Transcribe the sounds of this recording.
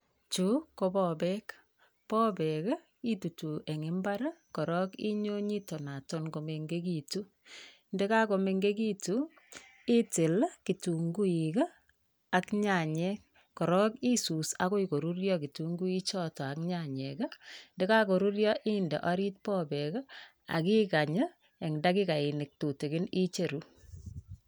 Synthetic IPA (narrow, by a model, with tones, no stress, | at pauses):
t͡ʃu˦ko˦bɔbɛ˦k | pɔ˦bɛ˨k | i˦tu˨tu˨ʔe˨ŋe˦mba˦ɾkɔ˨ɾɔ˦kḭ˦ɲo˦ɲi˦to˨na˨to˦nko˨me˨ŋɡe˦k̬i˨tu˦ | nde˦ka˦ko˨me˨ŋɡe˦ki˦tu˦ | i˦tɪ˨lki˨tu˨ŋɡu˦i˨kaː˦˨ | kɲa˨ɲɛ˦k̚ | kɔ˨ɾɔ˦ki˦su˨sa˦ko˦i˨ko˨ɾu˦ɾjɔ˦ki˨tu˨ŋɡu˦i˦t͡ʃɔ˦tɔ˨a˨kɲa˨ɲɛ˨ka˦nde˦ka˦ko˨ɾu˦ɾjɔ˦ʔi˦ndḛ˨ʔɔ˦ɾi˦t̚pɔ˦bɛ˨ka˦ | a̰˨ki˦ka˨ɲə˦ | e˨ŋda˦ki˦ka˨i˨nɪ˨k̚to˨te˨kɪ˦ni˦t͡ʃe˨ɾu˦